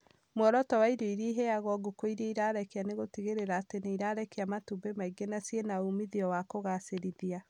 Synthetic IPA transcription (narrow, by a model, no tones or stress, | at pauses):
mwɔɾɔtɔwaidoiɾiːɦejaɣɔɡokoiɾieiɾaɾɛkeaneɣotiɣeɾeɾaːteneiɾaːɾɛkeamatubemaiɡenasienaumiðiɔwakoɣaseɾiðia